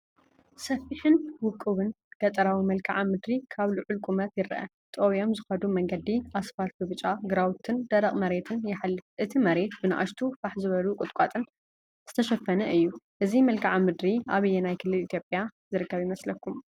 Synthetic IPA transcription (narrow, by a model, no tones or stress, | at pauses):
sɐfiħɨnwʊkʼːɨβɨn | ɡ̥ɐt̪ʼɐɾawimɐlkʼʰaʕamɨd̪ɾikʰaβluʕʊlkʼumɐt̪jɪɾɐʔɐ̰ | t̪ʼowijo̞mzɨxɐd̪umɐŋɡɐd̪iʔasfalt̪bɨβɨt͡ʃʼaɡɨɾawt̪ʰɨnd̪̥ɐɾɐχʼmɐɾe̞t̪ʰɨnjɪħalːɨfʔɨt̪ʰimɐɾe̞t̪bɨna̰ʔa̰ʃt̪ʰufaħzɨβɐlukʼʊt̪ʼkʼat̪ʼɨn | z̥ɨt̪ʰɐʃɐfːɐnɐʔɨjːuʔɨzimɐlkʰʼaʕamɨd̪ɾiaβɨjːɛnajkʰɨlːɨlit̪ʰjo̞pʼjazɨɾɨkʰːɐβjimɐslɐkʰːum